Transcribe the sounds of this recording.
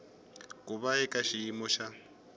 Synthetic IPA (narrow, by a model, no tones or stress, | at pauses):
kʼuβaɛkʼaʃiːmɔʃa